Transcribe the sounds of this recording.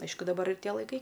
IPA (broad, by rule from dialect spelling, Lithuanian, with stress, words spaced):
ˈɐɪʃkʊ dɐˈbɐr ɪr ˈtʲiɛ lˠɐɪˈkɐɪ